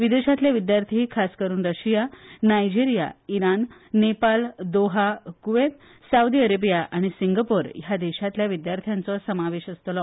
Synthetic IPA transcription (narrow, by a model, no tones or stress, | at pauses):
ʋid̪eɕat̪ljaʋid̪jaɾt̪ʰiɦikʰaskəɾuːnɾəɕijanajd͡ʑiɾijaiɾanːepald̪oɦakuʋet̪ | saud̪iəɾebijaʔaɽ̃isiŋɡapoɾjad̪eɕat̪ljaʋid̪jaɾt̪ʰjant͡sɔsəmaʋeɕəst̪lɔ